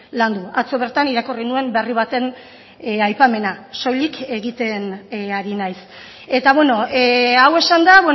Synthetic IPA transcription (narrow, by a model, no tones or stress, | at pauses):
land̪uat͡so̞β̞e̞ɾt̪aniɾakorinue̞mbe̞riβ̞at̪e̞n | ajpame̞naso̞jlike̞ɣit̪e̞naɾinajs | e̞t̪aβwe̞no̞awe̞sand̪aβwe